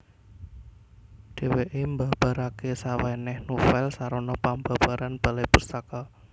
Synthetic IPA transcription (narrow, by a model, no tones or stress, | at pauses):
ɖ̥e̤weʔembab̥a̤ɾakesawanɛhnufɛlsaɾonɔpamba̤b̥aɾanb̥alajpust̪aka